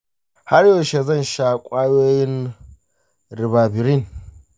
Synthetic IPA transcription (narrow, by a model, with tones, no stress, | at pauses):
ha˦ɾjo˨ʃe˨zɐ˦˨nʃa˦kʷʼaː˦joː˦jɪ˦n | ɾɪ˨baː˨bɪ˨ɾɪ˦ŋ